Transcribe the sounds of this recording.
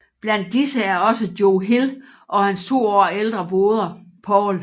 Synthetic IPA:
b̥læn̰d̥ːisəæɐɒ̽səd̥joʊɦel | ʔɒ̽hænst͡sʰo̝̰ːɒ̰ːeld̥ʁɐb̥o̝ːð̞ˠɐpʰɒːl

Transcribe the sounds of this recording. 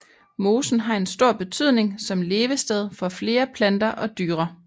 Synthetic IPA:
mo̝ːsn̩ɦɑ̈e̝nsd̥o̝ɐ̰b̥e̝t͡sʰyð̰ˠne̝ŋsɒ̽mle̝ːʋəsd̥eð̞ˠfɒ̽fle̝ːɐpʰlænd̥ɐʔɒ̽d̥yːʁɐ

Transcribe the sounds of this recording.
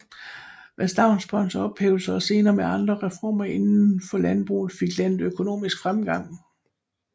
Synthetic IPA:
ʋʔæsd̥ɑ̈ʊnsb̥ɒ̽nsɐɒ̽b̥hɛ̰ːʊl̩sɐɒse̝ːnɐːmeɑ̈nd̥ʁɐʁɛfɒ̰ːmɐe̝nn̩fɒ̽lænb̥ʁṵːð̩ˠfiɡ̥læn̰d̥økʰo̝no̝̰ːmisɡ̥fʁamɡ̥ɑ̈ŋ̰

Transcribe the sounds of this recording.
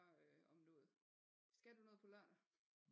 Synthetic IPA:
øɒmnɔːð̩ˠ | sɡ̥æd̥unɔ̽ðˠpʰɒ̽lɶɐ̰nɐ

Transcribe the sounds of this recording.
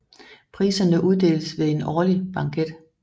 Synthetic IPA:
pʰʁḭːsɐnəʔuð̞ˠd̥e̝̰ːləsʋe̝e̝nɒːlib̥ɑ̈ŋɡʰed̥

